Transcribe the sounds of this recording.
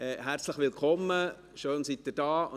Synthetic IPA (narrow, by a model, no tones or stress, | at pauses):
ɛɦæɾt͡sləχʋɪlkχɔmːə | ʃøːnsit̚dədɑːʊ